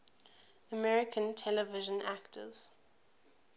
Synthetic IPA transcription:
əmɛɹɪkʰə̃ntʰɛləvɪʒə̃naktʰə̰z̥

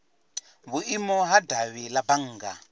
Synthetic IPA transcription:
βuʔimɔɦadaβilabaŋ̩ːɡa

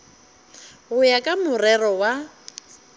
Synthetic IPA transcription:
ɣʊjakʼamʊrɛrɔwa

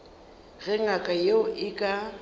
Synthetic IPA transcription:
ɣɛŋ̩akʼajeʊʔɪkʼa

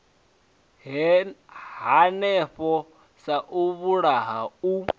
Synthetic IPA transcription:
ɦanɛɸɔ | saʔuβuɺaɦau

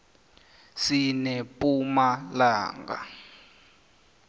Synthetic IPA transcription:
sinɛpʼumalaːŋɡa̰

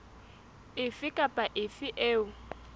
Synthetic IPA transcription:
ɪfɪkʼapʼaʔɪfɪʔeːʊ

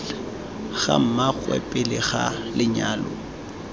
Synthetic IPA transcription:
ɣa̰m̩maɣwɛ̰pʼɪlɪχalɪɲaːlɔ

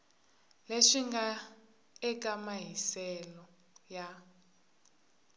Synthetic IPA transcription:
leʂiŋɡa | ɛk̬ʼamaɦisɛlɔ | ja

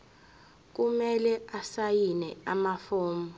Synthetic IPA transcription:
k̬umɛlɛasajinɛamafoːmbɔ

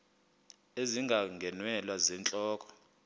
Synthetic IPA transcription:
eziŋɡʱaŋɡʱɛnwɛlwazɛnt͡ɬʼɔːkʼɔ̥

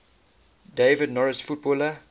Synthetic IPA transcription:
deːvədnɔɹəsfut̚bɔlə

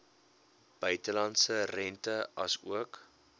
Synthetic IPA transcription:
b̥œɥtəlɐntsərɛntəɐsuək

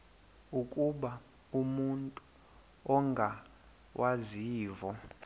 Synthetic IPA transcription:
ukʼuɓa | umuntʼu | ɔŋɡʱa | wʔaziːvɔ

